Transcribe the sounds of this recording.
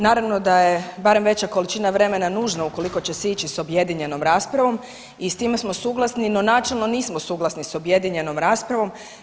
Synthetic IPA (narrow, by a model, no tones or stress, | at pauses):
naːɾaʋno̞d̪ajebaɾe̞mʋe̞t͡ɕako̞lit͡ʃiːnaʋɾe̞me̞nanuːʒnauko̞liko̞t͡ɕesit͡ʃiso̞bje̞d̪iɲe̞no̞mɾaːspɾaʋo̞m | ist̪iːmesmo̞suːɡlˠasnino̞naːt͡ʃelˠno̞niːsmosuːɡlasniso̞bjed̪iɲe̞no̞mɾaːspɾaʋo̞m